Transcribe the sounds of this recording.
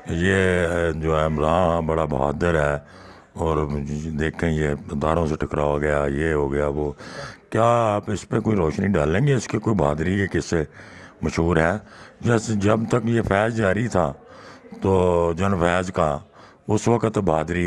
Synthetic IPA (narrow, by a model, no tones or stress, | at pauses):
jeːd͡ʒoːɦɛːɾãːbəɽaːba̰ːd̪əɾɦɛː | ɔːɾd̪eːkʰẽːjeːd̪aːɾõːseʈʰəkɾaːʋaɡəjaːjeːɦoːɡəjaːʋoːkjaːaːpɪspekoːiɾɔːʃniɖaːlẽːɡeɪskekoːibʱaːd̪ɾikekɪseməʃɦuːɾɦɛːd͡ʒəsd͡ʒəbt̪əkjeːpʰɛːzd͡ʒaːɾit̪ʰaːt̪oːd͡ʒənpʰɛːzka | ʊsʋəkət̪bʱaːd̪ɾi